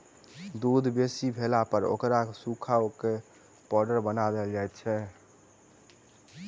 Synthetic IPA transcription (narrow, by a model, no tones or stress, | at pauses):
d̪ud̪ʱbesibʱelapəɾo̰kɾasukʰaoke | pɔɖəɾbənad̪eld͡ʒajt̪t͡ʃʰɛ